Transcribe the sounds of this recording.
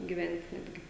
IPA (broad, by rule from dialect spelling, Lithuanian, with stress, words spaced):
ɡʲɪˈʋʲɛnʲtʲ ˈnʲæːdʲɡʲɪ